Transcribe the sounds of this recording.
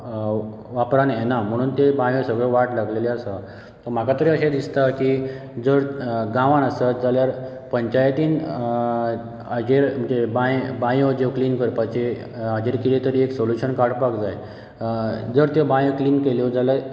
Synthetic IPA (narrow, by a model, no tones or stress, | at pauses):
ʋapɾanjenam̤əɽ̃uːnt̪ebãjõsəɡɭeʋaʈlaɡleleasa | t̪ɔm̤akat̪əɾeəɕed̪ist̪aki | d͡zəɾɡãʋanəsat̪d͡zaljaɾ | pəɲt͡ɕajt̪iːn | əd͡ʑeɾm̤əd͡ʑebãjbãjod͡zeʋkliːnkəɾpat͡ɕe | əd͡ʑeɾkiɾet̪əɾieksoljuɕənkaɽpakd͡zaj | d͡zəɾt̪ebãjkliːnkeljod͡zala